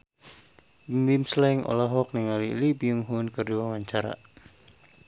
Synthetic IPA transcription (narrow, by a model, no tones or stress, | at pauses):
mimslaiŋʔɔ̰laɦɔk̚niŋalḭlibiuŋɦunkɨrduamaɲt͡ʃaɾa̰